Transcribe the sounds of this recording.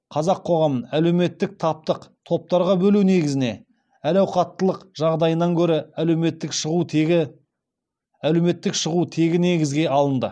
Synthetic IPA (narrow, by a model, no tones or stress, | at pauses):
qʰɑzɑqʰːo̞ʁɑmənælewme̞t̪ːɪk̚t̪ʰɑp̚t̪əqt̪ʰo̞p̚t̪ɑɾʁɑbɵlune̞ɡʲɪzɪne̞̰ | ælæwqʰɑt̪ːəlˠəqʒ̥ɑʁd̪ɑjənɑŋkʲʰɵɾɪæle̞me̞t̪ːɪkʃəʁuɪ | æle̞me̞t̪ːɪkʃəʁut̪ʰe̞ɡʲɪne̞ɡʲɪzɡʲe̞ɑlˠənd̪ə̰